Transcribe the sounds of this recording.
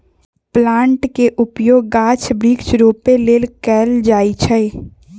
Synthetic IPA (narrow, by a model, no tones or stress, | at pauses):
plãːɳʈkeʔʊpjoːɡːaːt͡ʃʰbɾiːkt͡ʃɾoːpeleːlkɛːld͡ʒaːit͡ʃʰəe